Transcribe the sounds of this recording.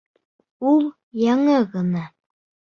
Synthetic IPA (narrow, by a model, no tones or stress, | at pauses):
ulˠ | jɑɴɤɣɤ̆nɑ